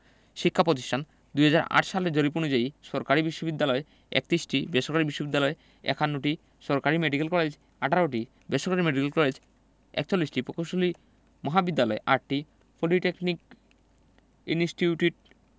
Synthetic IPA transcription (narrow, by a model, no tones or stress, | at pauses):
ʃikʰːapɾot̪̬i̥ʃʈʰan | d̪ujɦad͡ʑaɾa̰ʈʃaled͡ʑoɾip̬onud͡ʑajʃɔɾkaɾibiʃːobid̪ːalɔe | ɛ̰k̚t̪ɾisʈibeʃoɾkaɾibiʃːobid̪ːalɔe | ɛ̰kʰanːuʈi | ʃɔɾkaɾimeɖikelkɔled͡ʑ | aʈʰaɾoʈ̬i | beʃoɾkaɾimeɖikelkɔled͡ʑ | ɛ̰kt͡ɕolːisʈipɾokowʃoli | mɔɦabid̪ːalɔeʔaʈʈi | poliʈeknik | insʈiuʈiʈ